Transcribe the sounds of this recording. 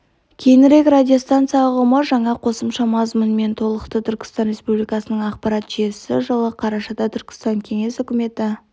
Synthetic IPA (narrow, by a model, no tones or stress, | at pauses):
kʲʰe̞jɪnɪɾe̞kradʲijo̞st̪ant̪sɨjɑʁəməʒɑɴɑqʰo̞səmʃɑmɑzmənme̞nt̪ʰo̞lˠəqt̪ət̪ʰʏɾkʲɪ̥st̪ɑnɾʲe̞spublijkɑsənəɴɑqpɑɾɑt̪ʒesɪʒəlˠəqʰɑɾɑʃɑd̪ɑt̪ʰʏɾkʲɪ̥st̪ɑŋkʲʰe̞ŋe̞sʏkʲɪme̞t̪ɪ